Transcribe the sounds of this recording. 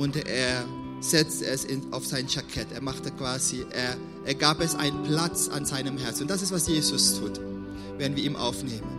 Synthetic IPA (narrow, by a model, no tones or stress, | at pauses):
ʊntʔeːɐ | z̥ɛt͡stəɛsɪnaʊfz̥aɪnʃakʰɛteːɐmaχtəkv̥aːziʔeːɐ | ʔeːɐɡaːpɛsʔa̰ɪnənpl̥at͡sa̰nzaɪnəmhɛɐt͡sn̩ʊntd̥as̬ɪstvasjeːzʊstʰuːt | vɛːɐdənviːɐiːmʔa̰ʊfneːmən